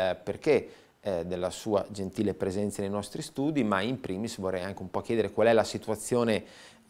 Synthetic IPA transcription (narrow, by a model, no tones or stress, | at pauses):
perke | d̪elːasuːa̰d͡ʒent̪iːlepɾezɛnt̪sanejnɔst̪ɾist̪uːd̪imaimpɾiːmisvorːɛjaŋk̟eumpɔk̟jɛːd̪eɾekwalɛlasit̪uat̪sːjoːne